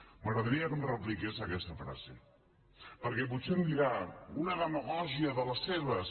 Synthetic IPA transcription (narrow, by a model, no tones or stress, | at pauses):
məɣɾəðəɾiəkəmrəplikesakɛst̪əfɾa̰zḛ | pəɾkɛβusemd̪iɣaunəðəməɣɔʒiəðələseβəs